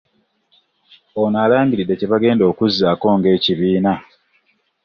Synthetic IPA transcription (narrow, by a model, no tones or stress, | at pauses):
onaːlaːɲɟiɾidːeceβaɡe̞ːndo̞ːkuzːaːko̞ːŋɡe̞ːciβiːna